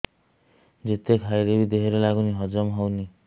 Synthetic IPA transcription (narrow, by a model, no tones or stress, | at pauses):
d͡ʒet̪ekʰajɾebid̪eɦeɾelaɡuniɦɔd͡ʒɔmɦɔwni